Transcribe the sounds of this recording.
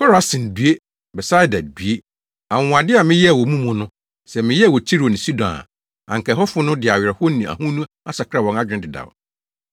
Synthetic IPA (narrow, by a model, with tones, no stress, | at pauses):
fɔ˦ɾa˨˦sɪ̃˨n˨dɥe˦ | bɛ˨sa˦jda˨d̚bi˨e˦ | a˨ŋ˨a˨dɪ˦a˨mɪ̃˦jɛ˦a˨wɔ˨mũ˦mũ˦nʊ̃˦ | sɛ˨mɪ̃˦jɛ˦a˨wɔ˨t͡ɕʰi˦ɾo˨nɪ̃˨si˦dɔ̃˨na̰˨ | ã̰˨ŋkʰɛ˨ɦɔ˦fʊ˦nʊ̃˦dɪ˨a˨ɥɾɛ˨hɔ˦nĩ˨a̰˨hũ˦nũ˦ | a˦sa˨kʰa˨wɔ̃˨na˦d͡ʑᶣɪ̃˦˨dɪ˨da̰˨w